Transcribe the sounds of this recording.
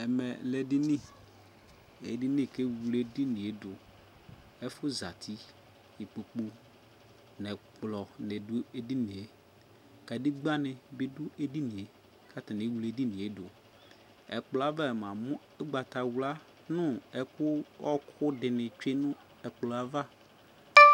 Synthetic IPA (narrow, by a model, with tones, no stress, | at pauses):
ɛ˨mɛ˨lɛ˨dɪ˦nĩ˦˨ | ḛ˨di˦nĩ˦˨ke˦wu˨le˦di˦nĩ˨e˨dʊ˨ | ɛ˦fʊ˦za˨t̪ʰi˦ | i˨k͡po˨k͡pu˦ | nɛ˨k͡plɔ˨nɛ˨dʊ˦e˦di˦nĩ˨e˨ | ka˨di˦ɡ͡ba˦nɪ̃˨bɪ˦dʊ˦ʔe˦di˦nĩ˨e˨ | kʰa˦ta˨nẽ˨˦wu˨le˦di˦nĩ˨e˨˦dʊ˨ | ɛ̰˨k͡plɔ˨˦a˦va˦ɛ˨mã˨mʊ̃˦ | ɛ˦ɡ͡ba˨ta˨wu˨la˦ | nʊ̃˦ɛ˨kʊ˦ɔ˦kʰʊ˦dɪ˨nɪ̃˨t͡ʃe˦nʊ̃˦ | ɛ˨k͡plɔ˨a˨va˦